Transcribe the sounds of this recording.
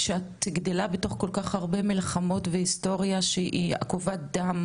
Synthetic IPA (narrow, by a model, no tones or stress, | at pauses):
ʃeat̪ɡd̪elabeto̞χko̞lkaχaʁbe̞milχamo̞tveisto̞ʁijaʃeʔḭa̰kuvad̪am